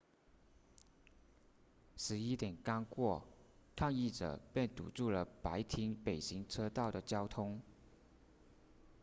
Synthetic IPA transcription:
ʂɻ̩˧˥i˥t̪jɛ˨˩nka˥ŋkwɔ˥˩kʰa˥˧ŋi˥˩ʈ͡ʂɤ̰˨˩pjɛ˥˩nt̪ṵ˨˩ʈ͡ʂu˥˩lə˩pa˧˥ɪt̪ʰi˧˥ŋpe˨˩ɪɕi˧˥ŋʈ͡ʂʰɤ˥t̪ɑ˥˩ʊd̪ə˩t͡ɕjɑ˥ʊt̪ʰʊ˥ŋ

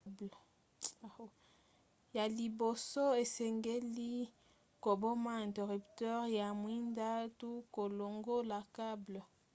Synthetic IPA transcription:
bl | ja˨li˨bo˨sɔ˦e˨sɛ˨ŋɡe˦li˦ | ko˨bɔ˦ma˦ɛ̃˨nte˨ʁy˨ptɛ˦ʁja˨mwi˦nda˦tu˦ko˨lo˨ŋɡo˦la˨ka˦blɔ˨

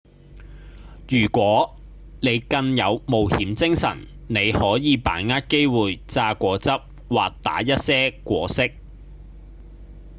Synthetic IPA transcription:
jyː˨˩kʷɔː˨˥ | ne˨˧jkɐ˧ŋjɐ˨˧wmo˨whiː˨˥mt͡sɪ˥ŋsɐ̰˨˩n | ne˨˧jhɔː˨˥jiː˨˧pa̰ː˨˥nŋaː˥t̚ke˥jwuː˨jt͡saː˧kʷɔː˨˧t͡sɐ˥p̚ | waː˨k̚t̪a̰ː˨˥jɐ˥t̚sɛː˥kʷɔː˧sɪ˥k̚

